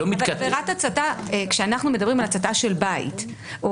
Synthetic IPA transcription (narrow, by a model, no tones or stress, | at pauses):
omit̪kat̪eʁat̪hat͡sataekʃeanaχnume̞dɐbʁimalat͡sataʃe̞lbaḭt | ʔo